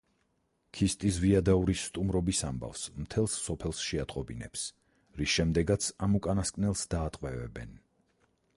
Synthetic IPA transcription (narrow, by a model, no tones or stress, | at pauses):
kʰist̪ʼisviad̪auɾisːt̪ʼumɾɔbisamba̰fsmt̪ʰɛlˠsːɔpʰɛlˠsʃɛat̪ʼqʼɔbinɛ̰ps | ɾisʃɛmd̪ɛɡat̪sʰamukʼanaskʼnɛlˠsd̪aːt̪ʼqʼwɛvɛ̰bɛ̰n